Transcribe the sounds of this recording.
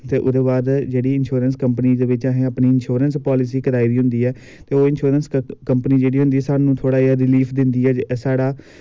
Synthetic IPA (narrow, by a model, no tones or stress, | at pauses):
t̪eːʔʊd̪eːbaːd̪d͡ʒeːɽiːɪnʃoːɾənskəmpniːd̪eːʋɪt͡ʃãːɦɛ̃ːəpniːɪnʃoːɾənspɔːlɪsiːkəd̪aːiɾiːɦʊ̃nd̪iːɛː | t̪eːoːɪnʃoːɾənskəmpəniːd͡ʒeːɽiːɦʊ̃nd̪iːɛːsaːnũːt̪ʰoːɽaːaːɾɪliːpʰd̪ɪnd̪iːɛːsaːɽaː